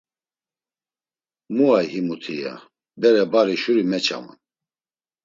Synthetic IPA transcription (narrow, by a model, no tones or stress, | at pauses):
muajhimut̪ʰija̰ | bɛɾɛbaɾiʃuɾimɛt͡ʃʰa̰mṵn